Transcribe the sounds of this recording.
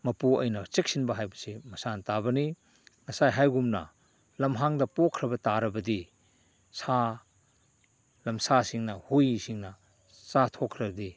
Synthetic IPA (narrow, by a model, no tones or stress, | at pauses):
mɐpuɐ̰jnɐt͡ʃek̚sinbɐɦajbɐsimɐsantabɐni | ŋɐsajɦajɡumnɐ̰ | lɐmɦaŋdɐpokʰːɾɐbɐtaɾɐbɐdi | sa | lɐmsasiŋnɐhujsiŋnɐ | satʰokʰːɾɐbdi